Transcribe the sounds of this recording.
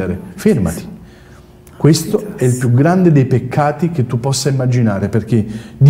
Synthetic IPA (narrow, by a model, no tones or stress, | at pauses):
eɾeferma̰t̪i̥ | kwest̪oɛilpjuɡɾand̪ed̪ejpekʰːaːt̪ik̟et̪ːupːɔsːaimːad͡ʒinaːɾeperk̟ːed̪